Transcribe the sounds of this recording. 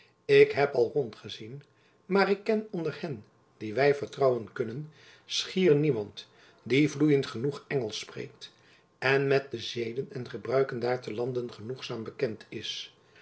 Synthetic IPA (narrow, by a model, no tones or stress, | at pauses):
ɪkɦɛpɑlˠrɔntχəzin | maːrɪkːɛnɔndəɹhɛn | d̥iʋɛjvəɹtrɑwənkɵnən | sχiːrnimɑnt | divlujəntχənuχɛŋəlˠsprḛjk̚t | ʔɛnmɛt̚dəzejdənɛnχəbrœɥkəndaːɹtəlɑndənχənuχsaːmbəkɛntʰɪs